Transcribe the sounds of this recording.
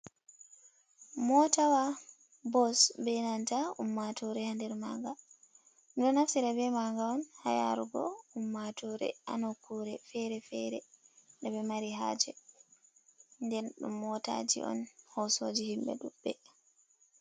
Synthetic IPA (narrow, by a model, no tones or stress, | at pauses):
mɔtawa | bɔsbɛnantaumːatʰɔɾɛhandɛɾmaŋɡa | nɗɔnaftiɾabɛmaŋɡaɔnha̰ja̰ɾuɡɔ̰umːatʰɔɾɛ̰ʔanɔkʰuɾɛfɛɾɛfɛɾɛɗɛbɛmaɾiɦa̰d͡ʒɛ | ndɛnɗumːɔta̰d͡ʒḭʔɔ̰nhɔsod͡ʒihimbɛ̰ɗubːɛ